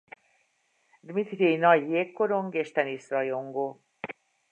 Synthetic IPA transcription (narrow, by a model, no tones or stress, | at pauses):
d̪mit̪ɾejnɒjːeːkːoɾoŋɡeʃt̪ɛnisɾɒjoŋɡo